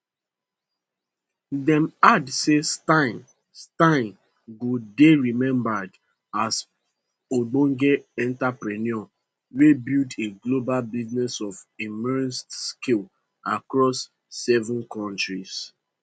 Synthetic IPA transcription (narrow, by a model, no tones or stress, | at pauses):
dɛ̃madsestãn | stãɪ̃n | ɡodeɹimɛ̃mbad | as | oɡ͡bõŋɡeɛ̃ntapɹɛniɔ | webildeɡlobalbiznɛsɔvimɛɹnstskil | a̰kɹɔsː | ɛvə̃nkʰɔ̃ntɹis